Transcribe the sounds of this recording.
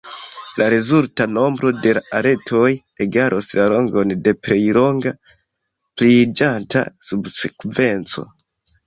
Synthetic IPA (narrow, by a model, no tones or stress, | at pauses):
lʔaɾezultano̞mbɾo̞de̞laʔaɾe̞tʰo̞j | eɡaɾʔoslalo̞ŋɡo̞nde̞pɾe̞jlo̞ŋɡa | plid͡ʒanta̰subsekve̞nt͡so̞̰